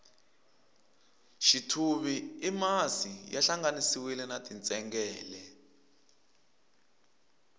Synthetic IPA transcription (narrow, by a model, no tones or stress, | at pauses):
ʃitʰuβiimazijaɬaŋɡanisiwilɛnatʼint͡sʼɛŋɡɛːlɛ